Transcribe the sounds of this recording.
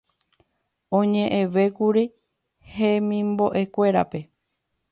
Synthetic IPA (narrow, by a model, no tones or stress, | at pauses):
õɲẽ̞ʔẽʋekuɾi | hẽmĩmbo̞ʔe̞kʷe̞ɾa̰pe̞